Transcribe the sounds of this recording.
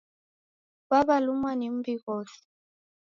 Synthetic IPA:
βaβalumwanem̩biɣɔːsi̥

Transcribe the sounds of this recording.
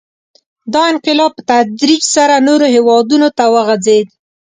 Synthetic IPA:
d̪ɑɪnqɪlɑb̚pət̪ad͡ʒɾit͡ʃsaɾanoɾoɦewɑd̪unot̪awəɣad͡zed̪

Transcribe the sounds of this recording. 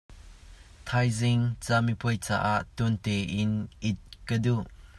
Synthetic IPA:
t̪ʰajzɪŋt͡samipuəjt͡sa̰ʔaʔt̪unt̪ɛʔɪnʔɪt̪̚kəduʔ

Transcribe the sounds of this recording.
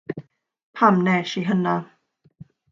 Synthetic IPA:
pʰamnɛʃiɦəna

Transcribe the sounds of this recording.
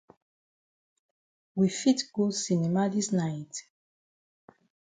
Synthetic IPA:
wifitɡosinɛmadisnajt

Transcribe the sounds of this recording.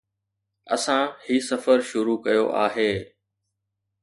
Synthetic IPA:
ɐ̰sãhiːsɐfəɾʃʊɾukɐjoʔa̰ːɦeː

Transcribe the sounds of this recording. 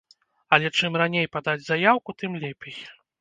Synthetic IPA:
ɐlʲɛt͡ʂɨmranʲejpad̪ad͡zʲzajawkut̪ɨmlʲɛpʲɛj

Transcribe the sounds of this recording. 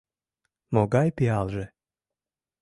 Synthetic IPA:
mɔɡajpialˠʒɛ

